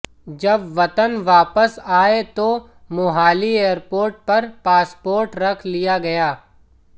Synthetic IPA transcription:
d͡ʒɐbʋɐt̪ənʋaːpəsaːet̪o | mʊɦaːlieːəɾpoːɾʈ̚pɐɾpaːspoːɾʈɾɐkʰlijaɡɐjaː

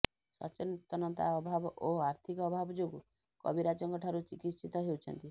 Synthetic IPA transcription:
sɔ̰t͡ʃɔnit̪ːɔnɔt̪a̰ɔbʱabɔʔoaɾt̪ʰikɔɔbʱabɔd͡ʒoɡu | kɔ̰biɾat͡ʃɔŋkɔʈʰaɾut͡ʃikit̪sit̪ɔɦewt͡ʃʰɔ̰nt̪i

